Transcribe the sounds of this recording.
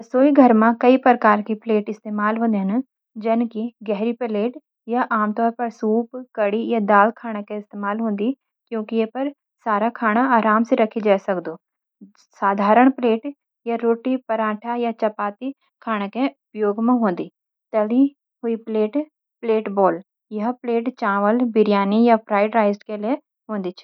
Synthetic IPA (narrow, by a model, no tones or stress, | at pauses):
ɐsoːiɡʱɐɾmãkɐipɾɐɾkaːɾkipleːʈɪst̪eːmaːlɦũːnd̪iɦɐn̆ | d͡ʒɐnkiɡɛɦɾipɐleːʈ | jaʔaːmt̪ɔːɾpɐɾsuːpkɐɽijad̪aːlkʰaːɽ̃ekẽɪst̪eːmaːlɦũːn̆d̪i | kjõːkiepɐɾ | saːɾakʰaːɽ̃aaːɾaːmseɾɐkʰid͡ʒaːesɐkd̪oː | saːd̪ʱaːɾəɽ̃pleːʈ | jaɾoːʈipɐɾãːʈʰajat͡ʃɐpaːt̪i | kʰaːɽ̃ekeʊpjoːɡmẽɦõːn̆d̪iː | t̪ɐli | ɦʊipleːʈ | pleːʈbɔːl | jɐɦpleːʈt͡ʃãːʋəlbɪɾjaːnijapʰɾaːɪɖɾaːɪzʈkelie | ɦõːnd̪it͡ʃʰ